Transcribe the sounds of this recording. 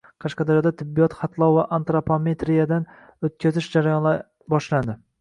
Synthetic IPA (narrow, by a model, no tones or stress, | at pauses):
qʰɑʃqɑd̪aɾjɒd̪at̪ʰɪbːijɒt̪χɑt̪ʰlˠɒwvaʔant̪ɾopʰomet̪ɾijad̪an | ɵt̪̚kʲʰazɪʃd͡ʒaɾajɒna | bɒʃland̪ɪ